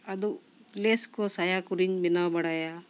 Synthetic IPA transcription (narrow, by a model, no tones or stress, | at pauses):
ɐd̪u | leːskosɐjakuɾiɲbinabɐɽaja